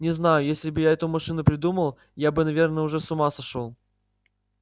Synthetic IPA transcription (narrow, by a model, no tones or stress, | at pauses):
nʲɪznajʊjesʲlʲɪbɨjaɛt̪ʊmɐʂɨnʊpɾʲɪd̪uməlˠ | jabɨnɐvʲe̞rnəʊʐɛsʊmasɐʂolˠ